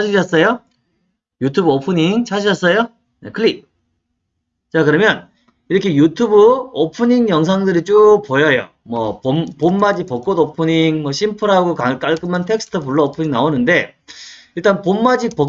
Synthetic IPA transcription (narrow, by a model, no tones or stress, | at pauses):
aɕʰiʌs͈ʌjo | jutʰubɯopʰɯɲiŋt͡ɕʰad͡ʑiʌs͈ʌjo | ekʰɯɭip̚ | t͡ɕakɯɾʌmjʌn | iɾʌkʰe̞jutʰubɯopʰɯɲiŋjʌŋs̬ʰaŋdɯɾit͡ɕ͈upojʌjo̰ | mʌpompomːad͡ʑipʌk͈̚odopʰɯɲiŋmʌɕʰimpʰɯɾɦaɡokak͈aɭk͈ɯmantʰe̞ks͈ʰɯ̥tʰɯpuɭːʌopʰɯɲiŋnaonɯnde̞ | iɭt͈anpomːad͡ʑipʌ